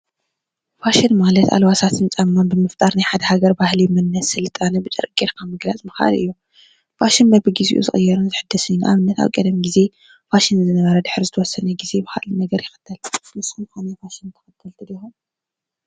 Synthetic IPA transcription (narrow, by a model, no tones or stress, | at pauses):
faʃɪnmalɐt̪a̰lwasat̪ʰɨnt͡sʼɐmːanbɨmɨft̪ʼaɾnajħad̪ɐhaɡɐɾbahlimɨnːɐsɨlɨt̪ʼanɐbɨt͡ʃʼɨ̰ɾkʼeɾkʰamɨɡlat͡sʼmɨxʔa̰a̰lʔɨ̰jːu | faʃɪnbɐbɨɡizḭʔṵzɨ̰xʼɨjːɐɾunzɨħɨd̪ːɐsɨnːuʔa̰βɨnːɐt̪ʰa̰wkʼɐd̪ɐmɡize̞ | faʃɪnzɨnɐβɐɾɐd̪ɨħɨɾzɨt̪ʰɐwɔsːɐnɐɡize̞bɨxa̰ʔlɨnɐɡɐɾjɪxɨ̥t̪ʰːɐlnɨsunxanɐfaʃɪnt̪ʰɐ̥xɨt̪ʰːɐlt̪ʰɨlixum